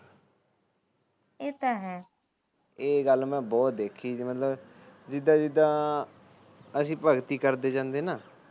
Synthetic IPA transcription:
eːt̪aːɦɛː | eːɡəlmɛ̃ːbɔːt̪̚d̪eːkʰiːimət̪ləb | d͡ʒɪd̪ãːd͡ʒɪd̪ãː | əsĩːpəɡt̪iːkəɾd̪eːd͡ʒãːnd̪eːnaː

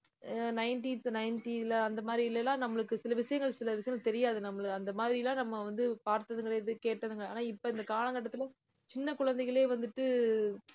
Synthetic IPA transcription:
nɐɪnʈinsnɐɪnʈilɐɐnd̪ɐmaːðɾiɪlːɛlːãːnɐmːɐɭɯkːɯsɪlɐʋɪʂɐjɐŋɡɐɭsɪlɐʋɪʂɐjɐŋɡɐɭt̪ɛɾɪjaːðɯnɐmːɐɭɯɯɐnd̪ɐmaːðɾilãːnɐmːɐʋɐnd̪ɯpaːɾt̪ɐðɯŋɡɐɭeðɯkeːʈːɐðɯŋɡɐɭɐaːnaːɪpːoɪnd̪ɐkaːlɐŋɡɐʈːɐt̪ːɪlɛ̃ | t͡ʃɪnːɐkʊɻɐnd̪ɛɪɣɐɭeːʋɐnd̪ɯʈːɯ

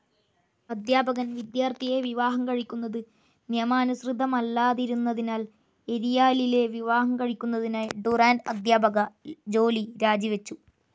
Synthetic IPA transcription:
ɐd̪jaːbɐɣɐnʋid̪jaːrt̪ʰije̞ʋiʋaːɦɐmkɐɻikʲːunːɐðɨ | njɐmaːnusrid̪ʱːɐmɐlːaːðiɾunːɐðinaːl | e̞ɾijaːlile̞ʋiʋaːɦɐmkɐɻikʲːunːɐðinaːjɖuraːnɐ̰d̪jaːbɐɣɐd͡ʑo̞ːliɾaːd͡ʑiʋɐt͡ɕːu

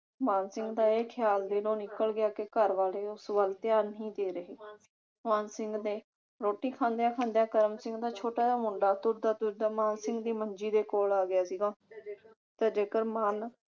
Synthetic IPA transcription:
maːnsɪ̃ŋɡd̪aːeːkʰɪjaːld̪eːlõːnɪkəlɡɪjaːkekəɾʋaːleːʊsbəlt̪ɪaːɾnəɦĩːd̪eːɾəɦeː | maːnsɪ̃ŋɡd̪eː | ɾoːʈiːkʰãːnd̪ejaːkʰãːnd̪ejaːkəɾəmsɪ̃ŋɡd̪aːt͡ʃʰoːʈaːd̪aːmʊɳɖaːt̪ʊɾd̪aːt̪ʊɾd̪aːmaːnsɪ̃ŋɡd̪iːməɲd͡ʒiːd̪eːkoːlaːɡɪjaːsiːɡaː | t̪aːd͡ʒeːkəɾmaːn

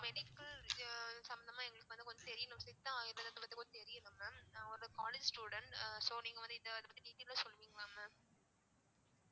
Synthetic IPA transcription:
mɛɽɪkːɐl | sɐmbɐnd̪ɐmaːɛŋɡɐɭɯkːɯʋɐnd̪ɯkɔɲd͡ʒɐt̪ɛɾɪjɐnɯ̃msɪt̪ːɐ̃aːjɪɾɐðɐt̪ːɐʋɐnɯkɔnd͡ʒt̪ɛɾɪjɐnɯmːɐɔɾɯkaːleːd͡ʒsʈuːɽɐɳʈsoːniːŋɡɐʋɐnd̪ɯɪðɐɐðɐpɐt̪ːiʈiːt̪ilaːsɔlːʋiːŋɡɐɭaːmɐ

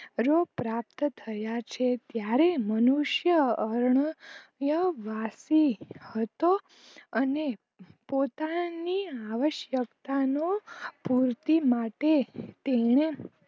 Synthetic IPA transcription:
ɾopɾap̚t̪t̪ʰəjat͡ʃʰet̪jaɾemənuʃjəəɾɳəjəʋasihət̪o | əne | pot̪aniaʋəʃjəkt̪anopuɾt̪imaʈet̪eɳ̃e

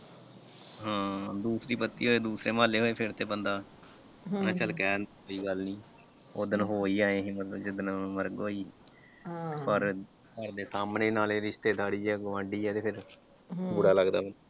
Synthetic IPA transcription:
ɦãːd̪uːsɾiːpət̪ːḭːɦoːeːd̪uːsɾeːmaːleːɦoːeːpʰɪɾt̪eːbənd̪aː | nãːt͡ʃəlkɛːnoːiːɡəlnĩː | oːd̪ənɦoːiːaːẽːɦĩːmət̪ləbd͡ʒɪd̪ənməɾɡoːiː | pəɾ | kəɾd̪eːsaːmneːnaːleːɾɪʃt̪eːd̪aːɽiːɛːɡʊʋãːɳɖiːɛːt̪eːpʰɪɾ | bʊɽaːləɡd̪aːənː

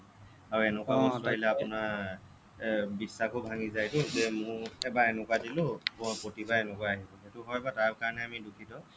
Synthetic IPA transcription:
aɹuɛnʊkwabɔ̃saɦilɛapʊna | bisːakʰobʱaŋizajtʊzɛmʊ̃ɹɛbaɛnʊkwadilʊpɹotibaɛnʊkwaaɦibɔɦetʊɦɔjbataɹkaɹɔnɛamidukʰitɔ

